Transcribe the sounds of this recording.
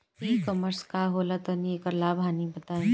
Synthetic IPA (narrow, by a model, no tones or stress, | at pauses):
iːkəməɾskaːɦoːlat̪əniekəɾlaːbʱanĩbɐt̪aː